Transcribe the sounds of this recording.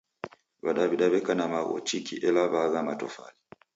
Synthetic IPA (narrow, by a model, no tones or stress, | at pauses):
βaɗaβiɗaβɛkanamaɣɔ̰t͡ʃikiʔɛlaβaɣamatɔ̰fa̰li